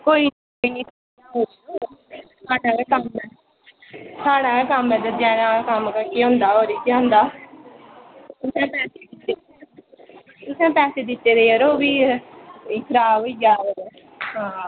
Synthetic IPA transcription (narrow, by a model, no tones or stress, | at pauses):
koːiːnː | kənĩːt̪ʰanaːɦoːɾi | t̪ʰaːnaːekəmɛː | t̪ʰaːnãːkekəmɛ̃ːd͡ʒ̪əɛ̃ːnãːkəmkəkiːɦõːnd̪aːɦoːɾiːkiːɦõːnd̪aː | t̪ʊsɛ̃ːpɛːseːkɪt̪ːeː | t̪ʊsɛ̃ːpɛːseːd̪ɪt̪ːeːɾeːəɾoːbiː | kʰəɾaːboiɡaː | ɦãː